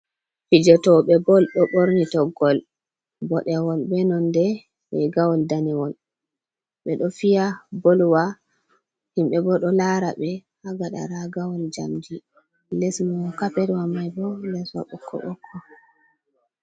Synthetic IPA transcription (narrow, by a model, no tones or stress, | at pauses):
fid͡ʒɔtɔɓɛbɔlɗɔɓoɾnitɔɡɔl | bɔɗɛwɔlbɛnɔndɛ | ɓɛɡawɔldanɛwɔl | ɓɛɗɔfijabolwa | himɓɛbɔɗɔlaɾaɓɛhaɡaɗa̰ɾaɡawɔld͡ʒa̰md͡ʒi | lɛsmɔkapeɾwamajbɔlɛswa̰ɓɔkʰːɔ̰ɓɔkʰːɔ